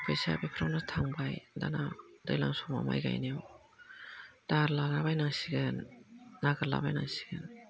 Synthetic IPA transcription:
bʰɯjsa̰bipʰɾawnatʰaŋbajda̰nadɯjlaŋsɔŋma̰ma̰jɡa̰jniw | d̥aɾlalabajnaŋsiɡɯnːaɡɯɾla̰ba̰jna̰ŋsi̥ɡɯn

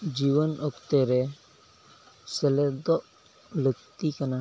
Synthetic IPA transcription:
d͡ʒiwənɔkt̪ɛɾɛ | sɛlɛd̪ɔʔ | ləkt̪ikana

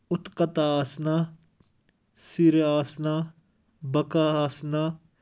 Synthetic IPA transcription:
ʊt̪kət̪aaːsnaː | siɾaːsnaː | bɐkaːaːsnaː

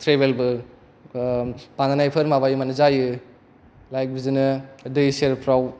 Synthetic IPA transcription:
tʰɾebelbɯ | pananajpʰɯɾmabajɯmanɯzajɯ | lajk̚bizɯnɯdɯjseɾpʰɾaw

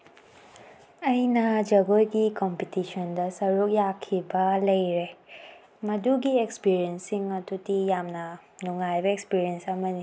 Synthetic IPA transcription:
ɐjnɐd͡ʒɐɡojɡikɔmpitisɔndɐsɐɾuk̚jakʰibɐlɐjɾe | mɐduɡiekspiɾiensiŋɐdudijamnɐnuŋajbɐekspiɾiensɐmɐni

